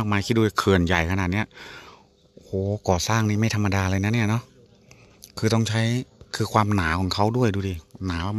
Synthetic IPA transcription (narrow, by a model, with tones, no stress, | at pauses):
k̚maː˧jkʰiː˥˩duː˧˩˧kʰɯ˨˩ənja˨˩jkʰnaː˨˩t̪̚ni˦˥ɐ | hoː˨˦kɔː˨˩saː˥˩ŋniː˥˩ma˥˩t̪ʰmːa˧daː˧laː˧na˦˥˨ni˥˩ɐnɔ˦˥ | kʰɯː˧t̪ɔ˥˩ŋt͡ɕʰa˦˥jkʰɯː˧kʰwaː˧mnaː˩˦kʰɔː˨˩˦ŋkʰa˦˥wdu˥˩əjduː˧˩diː˧˩naː˩˦wa˧˩m